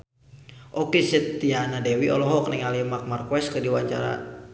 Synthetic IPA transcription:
ʔɔkesɛt̪ːianadɛwiʔɔlɔɦɔk̚nɛŋalimak̚markwɛskədiwaɲt͡ʃa̰ɾa̰

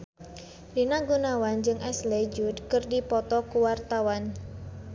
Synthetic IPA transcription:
rinaɡunawand͡ʒɨŋʔɛsled͡ʒudkɨrdipɔt̪ɔkuwart̪awan

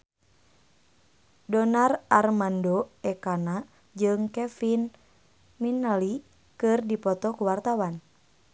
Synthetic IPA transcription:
dɔnararmandoɛkana | d͡ʒɨŋkɛfin | minəli | kɨrdipɔt̪ɔkuwart̪awan

